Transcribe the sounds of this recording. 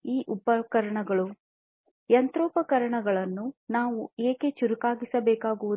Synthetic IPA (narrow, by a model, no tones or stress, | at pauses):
iːʔupɐkɐɾɐɳɐɡɐɭu | jɐnt̪ɾoːpɐkɐɾɐɳɐɡɐɭɐnːunaːʋueːket͡ʃuɾukaːɡisɐbɛːkaːɡuʋu